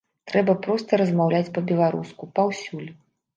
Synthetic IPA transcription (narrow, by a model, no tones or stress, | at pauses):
t̪ɾɛbɐpɾɔst̪ɐɾɐzmawlʲat͡sʲpɐbʲɛlˠaɾṵskupawsʲulʲ